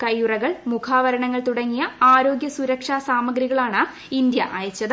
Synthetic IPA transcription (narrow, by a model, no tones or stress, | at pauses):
kɐjurɐɣɐɭmukʰaːʋɐɾɐɳɐŋːɐɭt̪uɽɐŋːijɐaːɾo̞ːɡjɐsuɾɐkʂaːsaːmɐɡɾiɣɐɭaːɳɨ | ind̪jɐʔa̰ːjɐt͡ɕːɐðɨ